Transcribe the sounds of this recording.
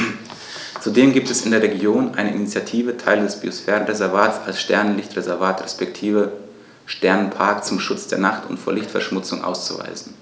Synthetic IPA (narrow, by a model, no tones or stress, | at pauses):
t͡sudeːmɡiːp̚tɛsɪndeːɐʁeɡjoːnʔaɪnəʔinit͡sjatʰiːvətʰaɪlədɛsb̥iosfɛːɐʁənʁezɛɐvaːtt͡salsʃtɛɐnənlɪçtʁezɛɐvaːtʁɛspɛktʰiːvə | ʃtɛɐnənpʰaɐkt͡sʊmʃʊt͡sd̥eːɐnaχtʊ̰ntfoːɐlɪçtfɛɐʃmʊt͡sʊŋʔa̰ʊst͡suva̰ɪzn̩